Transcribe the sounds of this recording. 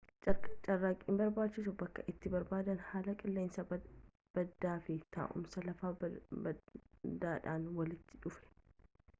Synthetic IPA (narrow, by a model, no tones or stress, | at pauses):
t͡ʃʼɐrːaːkʼɪmbɐɾbaːt͡ʃːɪs̬ʊbɐkːɐʔɪt̪ːɪbɐɾbaːd̪ɐnhaːlɐkʼɪlːe̞ːnsɐ | b̥ɐd̪ːaːfɪt̪ʰa̰ːʔʊ̰msɐlɐfaː | d̪aːᶑaːnwɐlɪt̪ːɪᶑʊfɛ̥